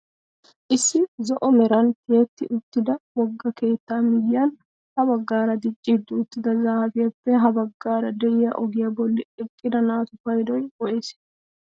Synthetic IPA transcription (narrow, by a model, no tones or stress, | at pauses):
ʔɪsːɪzɔʔɔmɛɾɐnt̪eːt̪ːɪʔʊt̪ːɪd̪ɐwɔɡːɐke̞ːt̪ːaːmɪjjan | hɐbɐɡːaːɾɐd̪ɪt͡ʃʼːɪd̪ːʊʊt̪ːɪd̪ɐzaːfɪjɐfːɛɦɐbɐɡːaːɾɐd̪ɛjɪjɐʔɔɡɪjɐbɔlːɪɪkʼːɪd̪ɐnaːt̪ʊfɐjd̪ɔjkɔʔes